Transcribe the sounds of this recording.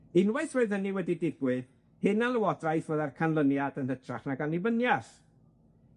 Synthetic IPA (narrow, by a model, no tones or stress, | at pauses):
ɪnwajθroɨðəniwɛdidɪɡwɪɨð | hɪnalˠəwɔdrajθvəːðarkʰanlˠənjadənətʰraχnaɡalˠnibənjaθ